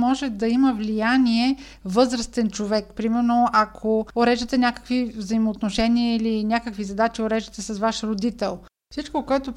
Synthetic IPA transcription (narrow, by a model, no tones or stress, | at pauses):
mɔʒɛd̪ɐiməvlijaniɛ | vɤzɾəst̪ɛnt͡ʃovɛkpɾimɛɾnoʔɐkʰooɾɛʒd̪ət̪ɛnʲakə̥kvivzəimoːt̪noʃɛniəilinʲakəkvizɐd̪at͡ʃioɾɛʒd̪ət̪ɛsɐsvaʃɾod̪it̪ɛlˠ | fsit͡ʃkokoɛt̪op